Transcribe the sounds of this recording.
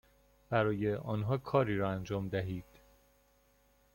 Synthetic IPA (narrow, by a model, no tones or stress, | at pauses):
b̥æɾɒːjeʔɒːnɦɒːkʰɒːɾiːɾɒːænd͡ʒɒːmd̪æɦiːd̪̥